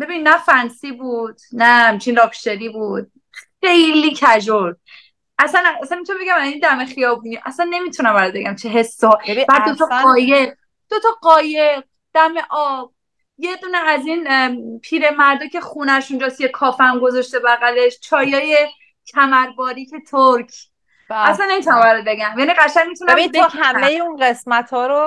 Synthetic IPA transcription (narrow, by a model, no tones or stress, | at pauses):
be̞binːæfænsiːbuːd̪̥̚nææmt͡ʃʰinlɒːpʃt̪eɾiːbuːd̪̥̚ | χejliːcʰæd͡ʒoɾd̪̚ | ʔæsænæsænmit̪unbeɡæmæzind̪æme̞xijɒːbuniʔæsænːe̞mit̪ʰunæmbæɾɔt̪̚be̞ɡæmt͡ʃʰeɦe̞sːvæɾd̪ot̪ʰɒɒːjeʁ | d̪̥ot̪ʰɒɢɒːjeq̚ | d̪̥æmeʔɒːb̥ | jed̪uːneæzinpʰiːɾemæɾd̪ocʰe̞xunæʃund͡ʒɒst̪ijekʰɒːfæmɡo̞zɒʃt̪e̞bæɣæle̞ʃt͡ʃʰɒːjɒːje | cʰæmæɾbɒːɾiːcʰe̞t̪ʰoɾkʰ | æslænːemit̪ʰunæmbæɾɔt̪̚be̞ɡæmjæniɢæʃæɲmit̪unmijtːhæmejeunɢesmæt̪ʰhɒːɾo